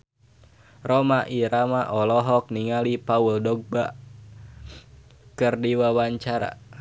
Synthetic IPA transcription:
rɔmaʔiɾamaʔɔlɔɦɔk̚niŋalipauldɔɡ̚ba | kɨrdiwawaɲt͡ʃaɾa̰

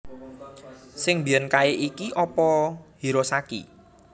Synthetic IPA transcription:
sɪŋbijənkaeʔikiʔɔpɔhiɾosakḭ

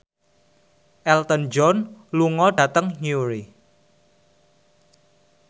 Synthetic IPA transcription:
ʔɛlt̪ənd͡ʒɔnluŋɔɖ̥ä̤t̪əŋɲuɾi

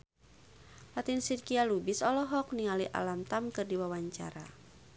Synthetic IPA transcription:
lat̪insirkialubisɔlɔɦɔkniŋaliʔa̰lamt̪amkɨrdiwawaɲt͡ʃa̰ɾa̰

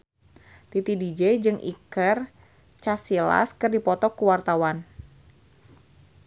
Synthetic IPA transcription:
t̪it̪idid͡ʒɛjd͡ʒɨŋʔḭkər | t͡ʃasila̰skɨrdipɔt̪ɔkuwart̪awan

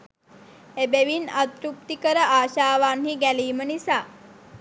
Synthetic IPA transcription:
ebeʋinat̪ɾup̚t̪ikəɾəʔaːʃaːʋanhiɡæliːmənisaː

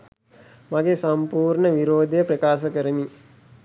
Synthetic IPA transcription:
maɡesɐmpuːɾɳəʋiɾoːd̪əjəpɾəkaːsəkəɾəmi

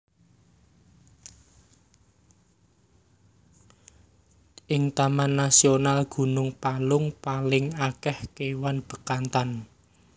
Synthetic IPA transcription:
ʔɪŋt̪amanːasionalɡ̥ṳnʊŋpalʊŋpalɪŋakɛhkewanb̥ə̤kant̪an

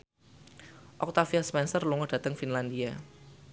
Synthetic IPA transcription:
ʔɔk̚t̪afiaspɛnsərluŋɔd̥ä̤t̪əŋfinland̪ia

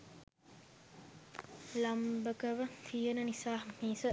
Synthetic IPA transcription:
lambəkəʋət̪ʰijenənisaːmiːsə

